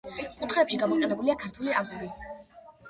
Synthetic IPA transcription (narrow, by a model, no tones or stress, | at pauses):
kʼut̪ʰχɛːpʃiɡamɔqʼɛnɛbuliakʰaɾt̪ʰuliazuvi